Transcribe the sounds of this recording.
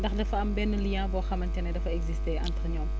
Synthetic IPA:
ndɐxdɐfɐɐmbɛnːəlijãːbɔːxɐmɐntɛnɐdɐfɐɛɡzisteʔɐntɾɲɔːm

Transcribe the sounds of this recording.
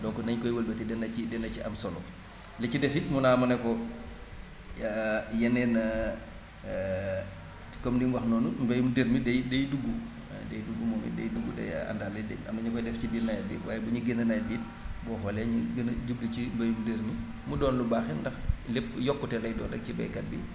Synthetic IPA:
dɔːkɔnɐɲkɔjwəlbɛtɛdɛnɐcidɛnɐciʔɐmsɔlɔ̰ | lɛcidɛsit̚munaːmɐnɛkɔ | jɛnɛn | kɔmdimwɐxnɔːnumbɐjumdeɾmidɛjdejduɡːṵ | dejduɡːumɔŋḭdḛjduɡːudɐ̰ja̰ndaːlɐdɛ̰ɐ̰mnɐɲukɔjdɛfcibiːtnajɐbḭːwaːjɛbɐɲiɡenɐnɐjbiːt̚ | bɔːxɔlɛɲiɡɐnɟub̚licimbɐjumdəɾmi | mudɔːnlubaːxɛndɐxlepːjɔkːutɛlɐjdɔ̰ːndɐk̚cibɐ̰jkɐt̚bḭ

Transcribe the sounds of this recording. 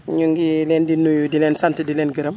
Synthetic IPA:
ɲuŋɡilɛːndinujudilɛːnsantidilɛːnɡəɾəm

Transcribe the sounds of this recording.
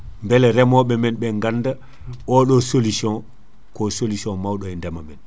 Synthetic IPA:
mbɛlɛɾɛmɔɓɛmɛnɓɛŋɡanda | ʔɔɗɔsolisiɔ̃n | kɔsolisɔ̃nmawɗɔɛndɛmamɛn

